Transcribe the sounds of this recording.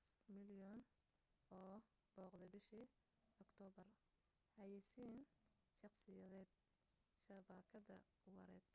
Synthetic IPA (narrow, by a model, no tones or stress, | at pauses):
mɪljɔn | ʔɔː | b̥ɔːqd̪ɛbɪʃi | ɔkt̪ʰɔːbɐr | hɐjɐsiːn | ʃɑqsɪjɐðɛːd̪̚ | ʃɐbaːkʰɐðɐ̰ | wɐ̰ɾɛːd̪